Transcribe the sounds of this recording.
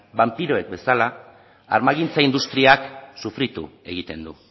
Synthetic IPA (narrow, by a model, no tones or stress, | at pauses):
bampiɾo̞e̞k̚be̞sala | a̰ɾmaɣint͡saind̪ust̪ɾiaksufɾit̪ṵe̞ɣit̪e̞nd̪u